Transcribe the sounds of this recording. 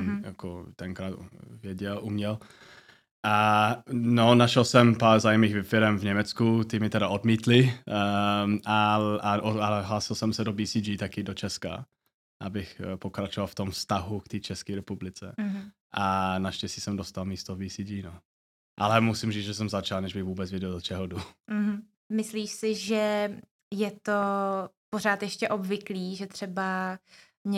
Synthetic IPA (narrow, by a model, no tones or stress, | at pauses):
jakot̪ɛŋkɾaːt̪vjɛɟɛlumɲɛl | ʔa | nonaʃɛlsɛmpaːɾzaːjmiːɣvɛfɪɾɛmvɲɛmɛt͡skut̪ɪmɪt̪ɛɾaodmiːt̪lɪ | aaʔoaɛɦlaːsɪlsɛmsɛdobiːsid͡ʒiːt̪akɪdot͡ʃɛska̰ | ʔa̰bɪxpo̞kɾat͡ʃovalft̪omfst̪aɦukt̪iːt͡ʃɛskiːɾɛpublɪt͡sɛɦ | ʔanaʃcɛscisɛmdost̪almiːst̪ovbiːsiːd͡ʒiːno | ʔalɛmusɪmʒiːt͡sʒɛs̬ɛmzat͡ʃalnɛʒbɪɣvuːbɛt͡svjɛɟɛldot͡ʃɛɦodum̩ɦm̩ | mɪsliːʃsɪʒɛ | jɛt̪opoɾaːt̪jɛʃcɛʔo̞bvɪkliːʒɛt̪r̝̥ɛba | mɲɛ